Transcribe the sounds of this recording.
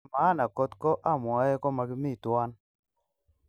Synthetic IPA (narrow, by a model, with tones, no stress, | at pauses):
ma˨˦na˨kɔ˦t̪kɔ˦ʔa˦˨mwɔ˨˦ɛ˦kɔ˦ma˨ɡɪ˦mi˦˨twa˦n